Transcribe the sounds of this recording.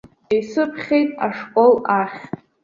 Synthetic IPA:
ejsɨpʰχʲejtʼa̰ʂkʷʼolaχʲtʼ

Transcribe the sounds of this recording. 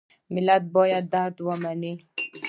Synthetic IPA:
mɪlat̪̚bɔjad̪̚ːaɾt̪wamani

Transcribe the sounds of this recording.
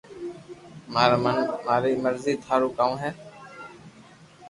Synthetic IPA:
mːənmaːɾiːməɾziːt̪ʰaːɾuːkaːũːɦɛː

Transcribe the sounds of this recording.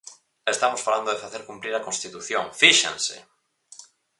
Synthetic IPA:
est̪amosfaɾand̪oðefaθeɾkumpɾiɾakonst̪it̪uθjõŋfiʃã̰nsḛ

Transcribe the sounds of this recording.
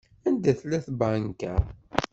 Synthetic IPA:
ænd̪æθlæθbankæ

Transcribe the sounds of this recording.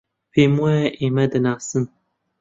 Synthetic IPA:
pʰeːmuɛʔeːmɛd̪ɨnaːsɨn

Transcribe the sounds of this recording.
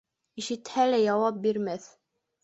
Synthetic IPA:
iʃɘ̆t̪hælæjɑwɑp̚biɾmæθ

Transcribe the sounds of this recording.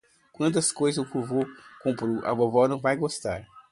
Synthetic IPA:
kwɐ̃nt̪ɐskojzɐzʊkuɾvokõpɾuʔa̰vovɔnɐ̃w̃vajɡost̪aɾ

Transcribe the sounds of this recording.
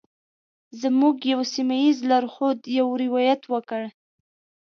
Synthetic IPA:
zəmuɡjawsimajizlaɾxod̪jawɾɪwɑjat̪wəkəɽ

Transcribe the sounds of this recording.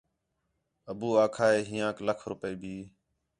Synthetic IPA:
əbuːaːkʰaːɦeːɦĩːãːkləkʰɾʊpəiːbʱiː

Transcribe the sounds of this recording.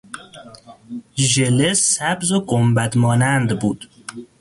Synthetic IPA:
ʒelesæbzoɡombæd̪mɒːnænd̪buːd̪̥

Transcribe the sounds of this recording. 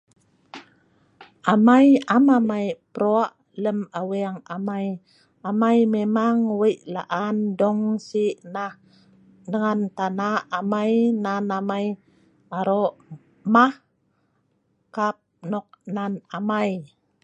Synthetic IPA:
ʔamajamamajpəɾoaʔ | ləmaweaŋamaj | amajmemaŋwəjʔla̰ʔandɔŋsiʔnah | nəŋant̪anaːmajnanamaj | aɾoʔ | mah | kap̚nɔk̚nanamaj

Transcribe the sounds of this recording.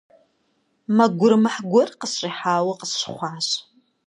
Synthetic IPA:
mɐɡʷʊrmɨħɡʷɔrqəsʂʼiħaːwɐqəsʃχʷaːʃ

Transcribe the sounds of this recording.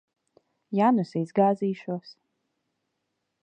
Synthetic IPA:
janusizɡaːziːʃuɔs

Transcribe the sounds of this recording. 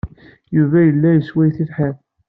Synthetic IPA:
juvæjəlːæjəswæjθilħæn

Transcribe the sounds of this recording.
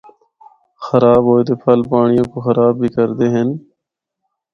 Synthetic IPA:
xəɾaːbɦoːet̪eːpʰəlpaːɳɪjõːkoːxəɾaːbːiːkəɾd̪eːɦən

